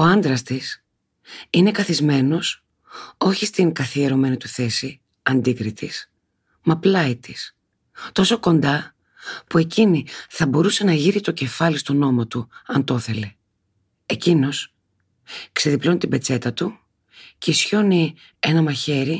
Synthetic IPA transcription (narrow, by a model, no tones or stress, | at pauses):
o̞ɐnd̪ɾɐst̪is | ine̞kɐθizme̞no̞s | o̞çist̪iŋɡɐθieɾo̞me̞nit̪uθe̞si | ɐnd̪ikɾit̪ʰis | mɐplɐit̪is | t̪o̞so̞ko̞nd̪ɐ | pue̞ciniθɐbo̞ɾuse̞nɐʝiɾit̪o̞ce̞fɐlist̪ono̞mot̪uɐnt̪o̞θe̞le̞ː | cino̞s | kseðiplo̞nt̪ibe̞t͡se̞t̪ɐt̪u | ce̞isço̞ni | enɐmɐçe̞ɾi